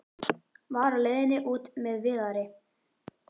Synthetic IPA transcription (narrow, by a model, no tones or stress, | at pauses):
vɑɾlenɪʔuːt̪meðvɪðaɾɪ